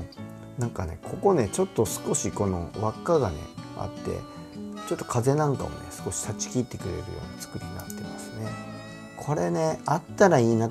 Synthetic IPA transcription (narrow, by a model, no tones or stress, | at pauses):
nãŋkane̞̰kʰo̞ko̞ne̞t͡ɕo̞t̪ːo̞sɨ̥ko̞ɕiko̞no̞̰βakːaɡane̞̰a̰t̪ːe̞̰ | t͡ɕo̞t̪ːo̞̥kʰaze̞nãŋka̰mo̰ne̞̰sɨ̥ko̞ɕi̥sat͡ɕi̥kʲiːt̪ːe̞kɯ̟ɾe̞̰ɾɯ̟joːɲ̟it͡sɨ̥kɯ̟ɾʲiɲinat̪ːe̞ma̰sɨ̥ne̞ | kʰo̞ɾe̞ne̞at̪ːaɾaiːna